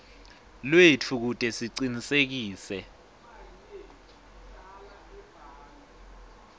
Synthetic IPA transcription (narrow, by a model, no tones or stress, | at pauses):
lwet͡fʰuk̬utʼɛsiǀinisek̬iːsɛ